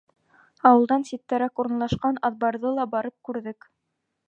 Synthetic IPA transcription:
ɑwɤ̆lˠd̪ɑnsit̪ːæɾɑkuɾɤ̆nlˠɑʃqɑnɑðbɑɾðɤlˠɑbɑɾɤp̚kʉɾðɘk

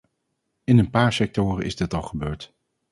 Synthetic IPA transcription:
ɪnənpaːɹsɛk̚tʊːrə̰nʔɪ̰zdɪtɑlˠχəbøːɹt

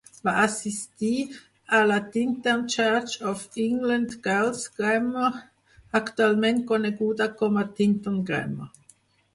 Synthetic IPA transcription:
vaʔasist̪iː | alat̪int̪ənt͡ʃaɾt͡ʃɔfiŋɡlənd̪ɡ̥alsɡ̥ɾɛmːə | akt̪ualmɛnt̪̚kɔneɡuːd̪akɔmat̪int̪ɔnɡɾɛ̰mə̰

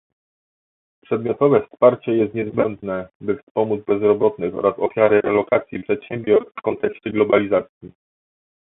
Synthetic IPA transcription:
pʂɛd̪̚mʲjɔt̪ɔvɛfspaɾt͡ɕɛjɛst̪ɲɛzbɛnd̪nɛbɘfspɔmud̪zbɛzɾɔbɔt̪nɘxɔ̰ɾasɔfʲjaɾɘɾɛlɔkat̪sʲjipʂɛt̪ɕɛmʲbʲjɔɾsfkɔnt̪ɛkɕt͡ɕɛɡlɔbalʲizat̪sʲji

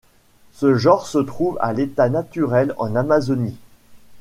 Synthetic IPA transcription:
səʒɑ̃ʁsət̪χuva̰let̪anat̪yʁɛlɑ̰̃namazɔni

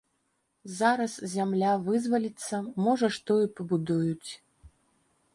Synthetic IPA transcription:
zaɾɐszʲamlʲavɨzvɐlʲit̪sːɐmɔʐɐʂt̪ɔipɐbud̪ujut͡sʲ

